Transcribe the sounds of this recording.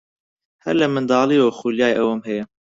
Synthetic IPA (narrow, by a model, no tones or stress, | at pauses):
hɛ̰ɾlɛmɨnd̪ɑːlioxuːljaːjʔɛwɐmhɛjɛ